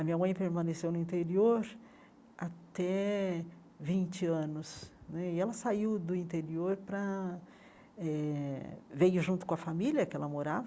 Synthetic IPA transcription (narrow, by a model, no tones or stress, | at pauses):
ɐmĩɲɐmɐ̃j̃ɐpeɾmɐ̃nesewnʊĩnt̪eɾioɾ | at̪ɛ | vĩt͡ʃɪɐ̃nʊsnɛɪɛlɐsaiwd̪ʊĩt̪eɾioɾpɾɐ | ɛ | vejʊʒũnt̪ʊ̥kõɐfamiljɐkɪɛlɐmoɾavɐ